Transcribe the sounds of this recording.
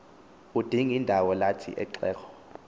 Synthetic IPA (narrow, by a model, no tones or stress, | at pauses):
ud̥ʱiŋindʱawɔlatʰḭʔɛ̰ǀɛːkʰɔ̥